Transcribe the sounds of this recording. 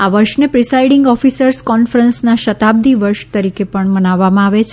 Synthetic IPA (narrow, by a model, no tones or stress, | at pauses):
aʋəɾʃnepɾisaiɽɪŋɡɔfisəɾskɔnfəɾənsnaʃət̪ab̚d̪iʋəɾʃt̪əɾikepəɳmənaʋːamãaʋet͡ʃʰ